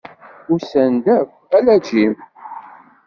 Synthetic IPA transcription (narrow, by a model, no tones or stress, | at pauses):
ʊɾsænd̪æv | ælæd͡ʒim